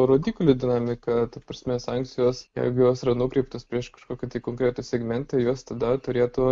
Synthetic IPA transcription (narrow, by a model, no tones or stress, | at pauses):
ɾoːd̪ʲiːklʲʊd̪ʲɪnɑːmʲɪkɐt̪ɐpɾɐsʲmʲɛsɑŋk̪sʲɪjoːsjɛ̰ɪɡʊjoːsɪɾɐnʊkɾʲɛɪpt̪ospʲɾʲiɛʃkɐ̥ʃkoːkʲit̪ɐɪkoːŋkɾʲeːt̪ʊsʲɛɡmʲɛnʲt̪ʲɐjuɔst̪ɐd̪ɐt̪ʊɾʲeːt̪ʊ